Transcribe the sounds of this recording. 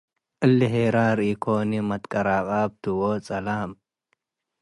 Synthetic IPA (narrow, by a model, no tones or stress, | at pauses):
ʔɨlːɪɦeːɾaːɾiːkʰoːnimɐt̪kʼɐɾaːkʼaːb̚t̪uwoːt͡sʼɐlaːm